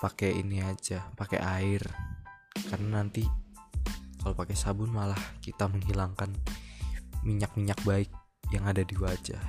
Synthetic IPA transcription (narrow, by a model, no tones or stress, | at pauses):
pakeḭniad͡ʒapakḛʔaɪr | karnanant̪i | kalopakesabʊnmalahkit̪aməŋɦilaŋkan | miɲak̚miɲak̚baɪk̚ | jaŋadadiwad͡ʒa̰